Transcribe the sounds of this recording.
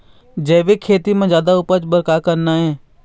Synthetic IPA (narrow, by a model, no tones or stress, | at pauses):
d͡ʒɛːʋekʰːeːt̪imẽd͡ʒjaːd̪aʊpət͡ʃbəɾkakəɾnaɦɛ̃ː